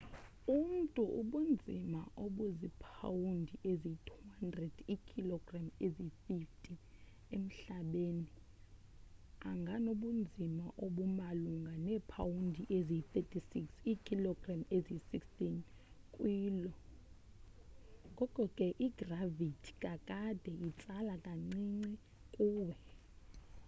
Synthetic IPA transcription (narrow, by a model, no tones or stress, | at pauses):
um̩tʼuʔuɓund͡zʱimaʔoɓuzipʰa̰wundʱiʔezitʰuuhandrɛd̥ikʰilɔɡramezififtʼin | em̩ɬaɓeni | aŋɡʱanoɓund͡zʱimaʔoɓumaluŋɡʱanɛːpʰa̰wundʱiʔezit̪ɛtʰʼisiksikʰilɔɡ̥ramezisikstʼin | kʼwiːlɔ | ɡʱɔkʼɔkʼɛʔiɡ̥ravitʰi̥kʼakʼad̥ʱɛit͡sʼalakʼaŋ͡ǀiŋ͡ǀi | kʼuːɓɛ